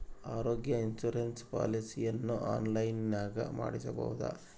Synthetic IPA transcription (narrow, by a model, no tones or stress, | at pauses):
aːɾoːɡjɐinsuɾenspa̰ːlisijɐnːuʔaːnlɐjnnaːɡɐ̰ma̰ːɽisɐbɐ̰wud̪ɐ̰